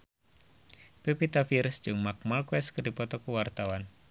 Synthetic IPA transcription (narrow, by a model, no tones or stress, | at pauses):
pepit̪afiɾsd͡ʒɨŋmak̚malkwɛskərdipɔt̪ɔkuwart̪awan